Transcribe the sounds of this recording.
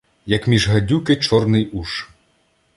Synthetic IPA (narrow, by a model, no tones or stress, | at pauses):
jɐkmʲiʒɦɐdʲukɪt͡ʃɔrnɪjuʃ